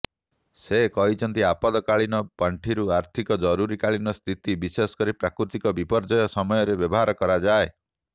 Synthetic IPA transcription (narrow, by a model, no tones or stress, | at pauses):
sekɔɦit͡ʃʰɔnt̪iapɔd̪ɔkaɭinɔpaɳʈʰiɾuaɾt̪ʰikɔd͡ʒɔɾuɾikaɭinɔst̪ʰit̪ibisesɔ̥kɔɾipɾakɾut̪ikɔbipɔɾd͡ʒɔjɔsɔmɔjɔɾebjɔbɔɦaɾɔkɔɾad͡ʒae